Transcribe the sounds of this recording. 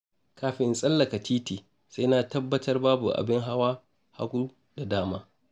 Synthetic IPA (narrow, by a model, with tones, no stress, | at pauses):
kaː˦ɸɪ˦nsʼɐ˦lːɐ˨ka˨tʰiː˦tiː˨ | sa˦na˦˨tɐ˦bːɐ˦tʰɐ˦rbaː˦bu˨ʔa̰˨bɪ˦ŋɦa˦waː˦ | ha̰˦ɡʷu˦ | da˨daː˦maː˦